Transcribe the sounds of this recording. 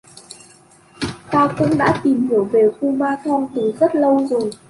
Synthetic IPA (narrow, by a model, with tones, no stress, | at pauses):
t̪aː˧wkʊ̰˧˥ŋ͡mɗa̰ː˧˥t̪i˨˩mhi˧˩əwve˨˩xu˧maː˧t̪ʰɔ˧ŋ͡mt̪ɨ˨˩zə˦˥t̚lə˧wzo˨˩j